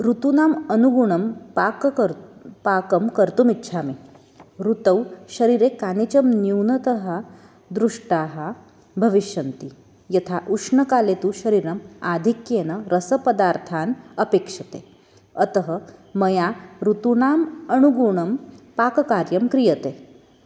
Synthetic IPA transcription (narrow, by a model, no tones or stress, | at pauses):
ɾut̪unamənuɡuɳɐmpak | pakəmkəɾt̪umitːɕʰame | ɾut̪əwʃɐɾiɾekanit͡ɕɐmnjuwnɐt̪əɦa | d̪ɾuʂʈaɦa | bʱɐʋiʃjɐnt̪i | jɐt̪ʰaʔuʂɳɐkaːlet̪uɕɐɾiːɾɐmad̪ʱikjeːnɐɾəsəpəd̪aɾt̪ʰaːnəpekʂɐt̪e | ət̪əɦəmɐjaɾut̪unaːmənuɡuɳɐmpaːkkaɾjɐmkɾijət̪e